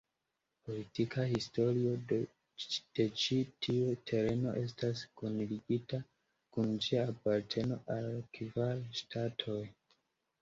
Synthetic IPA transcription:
po̞litikʰahisto̞ɾio | d̥e̞t͡ʃitʰiutʰe̞ɾe̞no̞ʔe̞s̬taskonliɡita | kund͡ʒiapaɾtʰe̞no̞ʔalkivalʃtʰatʰo̞j

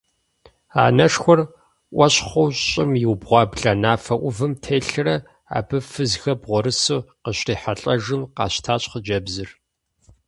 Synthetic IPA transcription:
a̰ːnɐʂxʷɔr | ʔʷɐɕχʷɔwɕɕʼɪmjɪwbʁʷɑːbɮanaːfɐʔʷʊvɨmtʰeːɬɨrɐ | a̰ːbɨfɨzxɐbʁʷɔɾɨsuːqəɕriːħaɬʼɐʒɨmqɑ̰ːɕtʰaːɕʼχəd͡ʒɐbzɨr

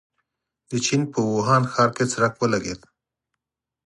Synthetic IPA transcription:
d̪̥ət͡ʃinpəwoɦɑnxɑɾket͡saɾakwəlaɡḛd̪

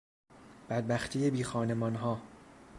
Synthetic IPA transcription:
b̥æd̪̚bæxt̪ʰiːjebiːxɒːne̞mɒːnɦɒː

